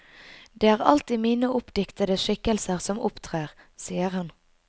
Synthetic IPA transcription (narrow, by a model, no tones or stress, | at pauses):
d̪eːæːʁɑ̰lt̪iːmiːnəʔʊpd̪ɪkt̪əd̪əʃɪkəlsəʁsɔmʊ̰pt̪ʰʁeːʁ | siːəʁhɑn